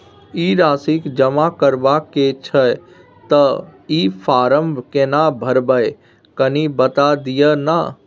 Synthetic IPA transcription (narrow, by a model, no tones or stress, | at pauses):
iɾaːsikd͡ʒəmakəɾbaket͡ʃʰə | t̪əipʰaːɾəmbʱkenabʱəɾbəj | kənibət̪ad̪ijəna